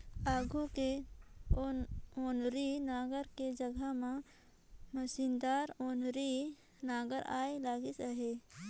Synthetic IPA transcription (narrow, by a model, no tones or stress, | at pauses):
aːɡuke | oːnɾinaːɡəɾked͡ʒəɡʱamã | məsind̪aːɾoːnɾi | naːɡəɾa̰ːelaːɡisaɦe